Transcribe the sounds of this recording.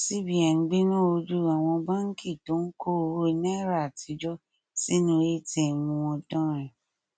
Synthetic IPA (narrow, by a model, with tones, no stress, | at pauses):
si˦˨bi˨a˨n̩˨ɡ͡be˦nɔ̃˦˨o˧d͡ʒu˦˨a˨w̃ɔ̃˧ba˦ŋ̩˦kʰi˦˨to˨˦n̩˦ko˦˧ɾo˦i˧na˦˨˦ɾa˦˨ti˧d͡ʒɔ˦ | si˦nũ˦˧e˦tɛ˨mũ˧wɔ̃˧dɔ̃˦ɾ̃ɛ̃˨